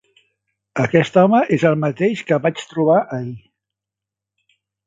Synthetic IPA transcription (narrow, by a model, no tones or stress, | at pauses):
əkɛst̪ɔməʔezəlˠmət̪eʃkəβat͡ʃt̪ɾuβ̞aʔəi